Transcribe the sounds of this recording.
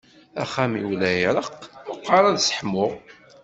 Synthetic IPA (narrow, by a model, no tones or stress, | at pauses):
æ̰χæmiwlæjɾˤəqməqːɑɾˤæðsə̥ħmʊʁ